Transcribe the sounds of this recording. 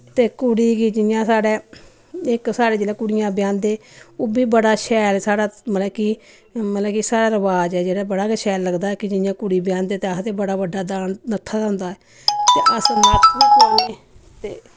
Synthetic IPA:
t̪eːkʊɽiːkiːd͡ʒɪjãːsaːɽeː | ɪksaːɽeːd͡ʒeːɽɛːkʊɽɪjãːbjãːnd̪eːoːbiːbəɽaːʃɛːlsaːɽaːməlɛːki | məlɛːkisaːɾaːɾəʋaːd͡ʒɛːd͡ʒeːɽaːbəɽaːkɛʃɛːlːəɡd̪aːɛːkɪd͡ʒɪjãːkʊɽiːbɪjãːnd̪eːt̪eːast̪eːbəɽaːbəɖːaːd̪aːnnət̪ʰːaːd̪aɦʊnd̪aːɛː | t̪eːʔəsnaːiːkəneː | t̪eː

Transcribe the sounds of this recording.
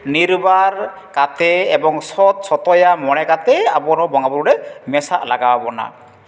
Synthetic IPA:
niɾbaɾ | kat̪ʰɛːbɔŋsɔt̪̚sɔt̪ɔjamɔɽ̃ɛkat̪ʰɛabɔɾɔbɔŋabuɾuɾɛmɛsaʔlaɡawabɔna̰

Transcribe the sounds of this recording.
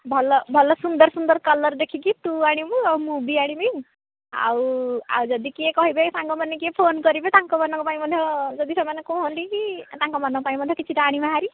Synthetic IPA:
bʱɔlɔbʱɔlɔsund̪ɔɾsund̪ɔɾkɔlɔɾd̪ekʰikit̪uaɽ̃imuamubiaɽ̃imi | a̰wa̰wd͡ʒɔd̪ikiekɔɦibesãŋɡɔmanːek̬iepʰonkɔɾibet̪aŋkɔmɔnɔŋkɔpaĩmɔd̪ʱjɔd͡ʒɔd̪isemanekoɦɔnt̪ikit̪aŋkɔmanɔkɔpaĩmɔd̪ʱjɔkit͡ʃʰiʈaaɽ̃imaɦaɾi

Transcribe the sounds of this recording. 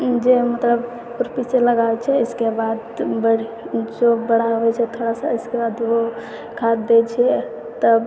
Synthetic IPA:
d͡ʒemət̪ləb | pʊɾpiseləɡaet͡ʃʰɛɪskebad̪bəɽ | d͡ʒobəɽ̤aɦoɛt͡ʃʰɛt̪ʰoɽasaɪskebad̪ʋo | kʰat̪d̪et͡ʃʰɛ | t̪əb

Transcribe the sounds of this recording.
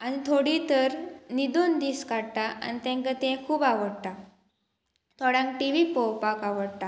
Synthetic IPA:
anit̪ʰoɽit̪əɾnid̪ond̪iːskaɽt̪aʔa̰nit̪ẽŋkat̪ẽkʰuːbaʋəɽt̪a | t̪ʰɔɽãŋk̚ʈiʋipɔwpakaʋəɽt̪a

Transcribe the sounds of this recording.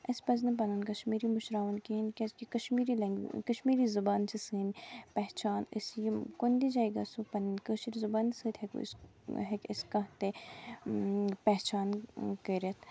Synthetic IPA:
ɐspɐznɨp̬ɐnunkɐʃmiːɾimʊʃɾaːʋɐnkiinkʲeskikɐʃmiːɾilɐŋɡ̰kɐʃmiːɾizɐbaːnt͡ʃʰisɨːnpɛɦt͡ʃaːnə̰sjikond̪id͡ʒaːiɡɐsupɐninkəːʃiɾzubaːnsəːt̪ʰhekṵs | ɦekɪskɐɦt̪e | pɛɦt͡ʃaːnkəɾʲɐt̪ʰ

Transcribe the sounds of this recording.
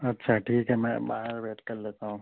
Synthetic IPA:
ɐtːʃʰaʈʰiːkɦɛmɛ̰̃ba̰ːɦeɾʋeːʈkɐɾleːt̪aɦũː

